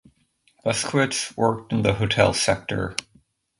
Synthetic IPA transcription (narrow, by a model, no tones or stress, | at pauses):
b̥ʌskʰwɪtswɜ˞k̚tn̩ðəɦoʊtʰɛ̰lˠsɛk̚tə̰˞